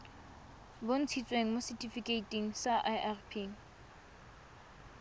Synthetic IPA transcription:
bon̩t͡sʰit͡sʼweŋ̩mositʰifikʼeitʼiŋ̩saʔaʔarpʰiŋ̩

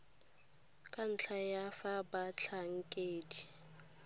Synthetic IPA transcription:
kʼan̩t͡ɬʰajafabat͡ɬʰaŋ̩kʼeːdi

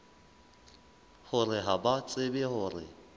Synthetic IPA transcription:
hʊrɪɦabat͡sʼɪbɪhʊrɪ̰

